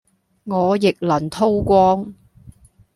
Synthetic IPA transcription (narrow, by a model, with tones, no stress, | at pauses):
ŋɔː˨˧jɪ˨k̚lɐ˨˩nt̪ʰo˥wkʷɔː˥ŋ